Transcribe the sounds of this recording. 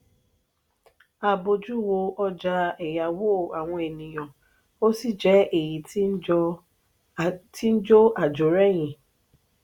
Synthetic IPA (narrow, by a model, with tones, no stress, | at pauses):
a˧bo˧d͡ʒu˦wo˧ʔɔ˦d͡ʒa˧˦ɛ˨ja˨wo˦˨a˨w̃ɔ̃˧e˨nĩ˨j̃ɔ̃˨ | o˦si˦˨d͡ʒɛ˦e˦˨ji˨t | ti˦n̩˦d͡ʒo˦a˨d͡ʒo˨ɾɛ˦j̃ĩ˨